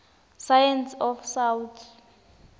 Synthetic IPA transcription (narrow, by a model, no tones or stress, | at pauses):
sajɛnsɔfsawtʰ